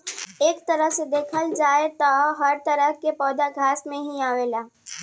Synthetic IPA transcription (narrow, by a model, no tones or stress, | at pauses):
eːkt̪ɐɾəɦsed̪eːkʰəld͡ʒaːet̪ɔɦɐɾt̪əɾəɦkepɔːd̪aɡʱaːsmẽɦĩaːʋeːlaː